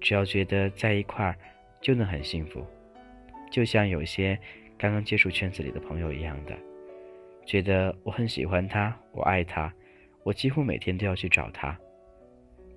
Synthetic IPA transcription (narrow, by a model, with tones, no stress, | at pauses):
ʈ͡ʂɻ̩˨˩jɑ˥˩ʊt͡ɕɥɛ˧˥d̪ə˧t͡sa˥˩ɪi˧˥kʰwa˥˩ | t͡ɕjo˥˩ʊnə˧˥ŋxə̰˨˩nɕi˥˩ŋfṵ˧˥ | t͡ɕjo˥˧ʊɕjɑ˥˩ŋjo˨˩ʊi˥ɕjɛ˥kɑ˥ŋkɑ˥ŋt͡ɕjɛ˥ʂu˥˧t͡ɕʰɥɛ˥nt͡sɹ̩˥˩lḭ˨d̪ə˦pʰɤ˧˥ŋjo˧ʊḭ˧˥jɑ̰˥˩ŋd̪ə̰˩ | t͡ɕɥɛ˧˥d̪ə˧wɔ˧˩xə˧˥nɕḭ˨˩xwa˦nt̪ʰa˥wɔ̰˨˩ʔa˥˩ɪt̪ʰa˥ | wɔ˨˩t͡ɕi˥xu˥me˨˩ɪt̪ʰjɛ˥nt̪o˥ʊjɑ˥˧ʊt͡ɕʰy˥˩ʈ͡ʂɑ̰˨˩ʊt̪ʰa˥